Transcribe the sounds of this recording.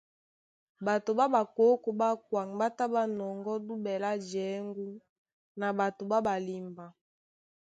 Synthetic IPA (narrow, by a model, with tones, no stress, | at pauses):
ba˨to˨ba˦ba˨ko˨˦ko˨ba˦kwa˨ŋ˨ba˦ta˦ba˦nɔ˨ŋɡɔ˦du˦bɛ˨la˦d͡ʒɛ˨˦ŋɡu˦ | na˨ba˨to˨ba˦ba˨li˨mba˨